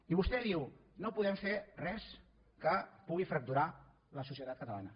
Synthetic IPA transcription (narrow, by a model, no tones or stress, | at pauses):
iβust̪ɛðiwnopuðɛmferɛs | kəpuɣifɾək̚t̪uɾa | ləsusjət̪at̪̚kət̪əla̰nə